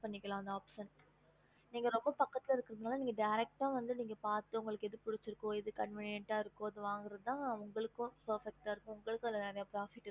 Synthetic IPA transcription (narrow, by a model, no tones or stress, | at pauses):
pɐɳːɪkːɐlãːɐnd̪aːpʂɐn | niːŋɡɐɾɔmbɐpɐkːɐt̪ːɪlɪɾɯkːɯɾɐðɯnaːlɐniːŋɡɐɖɐjɾɛk̚ʈaːʋɐnd̪ɯniːŋɡɐpaːɾt̪ːɯʊŋɡɐɭɯkːɯɛðɯpʊɽɪt͡ʃːɪɾɯkːõːɪðɯkɐɳʋɪnɪjɛɳʈaːɪɾɯkːõːɐðɯʋaːŋɡɪɾɐðɯt̪ãːɐʊŋɡɐɭɯkːʊ̃soːfɛk̚ʈaːɪɾɯkːʊ̃ʊŋɡɐɭɯkːʊ̃ɛlːɐneːɾɐjaːpɾaːfɪʈː